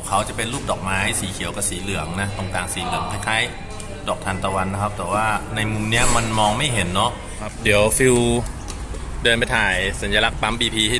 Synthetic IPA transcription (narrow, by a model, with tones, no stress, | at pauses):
kʰa˦˥wt͡ɕa˨˩pe˧nluː˥˩p̚dɔː˨˩k̚maː˦˥jsiː˩˦kʰi˨˩˦əwka˧˩siː˩˦lɯ˩˦əŋna˦˥t̪o˧ŋt̪aː˨˩ŋsiː˩˦lɯ˨˩˦əŋkʰaː˧˥˩jkʰaː˧˥˩j | dɔː˨˩k̚t̪ʰa˧nt̪ɔː˧˩wa˧nːa˦˥kʰa˦˥p̚t̪ɛː˨˩waː˥˩na˧jmu˧mni˦˥ɐma˧nmɔː˧ŋma˥˩jɦe˩˦nːɔ˦˥˦ | di˩˦əwfi˧w | dɤː˧npa˧jt̪ʰaː˨˩jsa˨˦njaː˧la˦˥k̚pa˦˥mbiː˧pʰiː˧tʰi˥˩